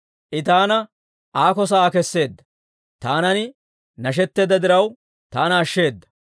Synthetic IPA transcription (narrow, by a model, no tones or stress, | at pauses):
ʔɪt̪aːnɐ | ʔaːkɔs̬ɐːkɛsːe̞ːd̪ːɐ̥ | t̪aːnɐnɪ | nɐʃ̬ɛt̪ːeːd̪ɐd̪ɪɾɐw | t̪aːnɐːʃːe̞ːd̪ːɐ̥